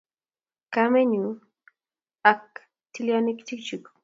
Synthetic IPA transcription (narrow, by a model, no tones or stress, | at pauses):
kameɲu | ak̚ | t̪ɪlanɪkt͡ʃɪkt͡ʃʊk